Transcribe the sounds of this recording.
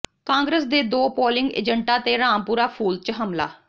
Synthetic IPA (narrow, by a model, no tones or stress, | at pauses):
kãːŋɡɾəsd̪eːd̪oːpoːlɪ̃ŋɡḛːd͡ʒəɳʈaːt̪eːɾaːmpuːɾaːpʰuːlt͡ʃɦəmla̰ː